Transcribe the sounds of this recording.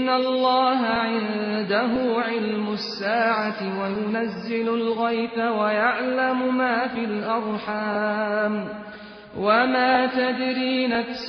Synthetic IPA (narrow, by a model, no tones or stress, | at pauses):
nːalˤːɑːɦaʕɪnd̪aɦʊʕɪlmʊsːaːʕat̪ɪwajʊnazːɪlʊlɣajθawajaʕlamʊmaːfiːlʔɑɾˤħaːm | wamaːt̪ad̪ɾiːna